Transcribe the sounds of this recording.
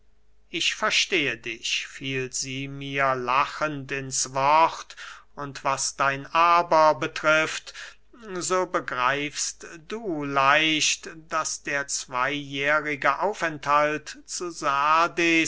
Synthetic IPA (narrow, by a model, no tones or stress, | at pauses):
ʔɪçfɛɐʃteːədɪçfiːlziːmiːɐlaχəntɪnsvɔχtʊntv̥asd̥aɪnʔaːbɐbətʁ̥ɪft | zoːbəɡʁaɪfstd̥uːlaɪʃtd̥asd̥eːɐt͡sv̥aɪjɛːʁɪɡəʔaʊfɛnthaltt͡suzaːde